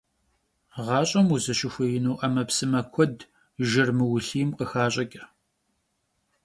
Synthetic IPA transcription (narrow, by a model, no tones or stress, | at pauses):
ʁɑːɕʼɐmuzɐɕɪxʷɐjɪnuːʔɐmɐpsɨmɐkʷʰɔd | ʒɪrmɨwʊɬiːmqəxaːɕʼɐkʲʼɐ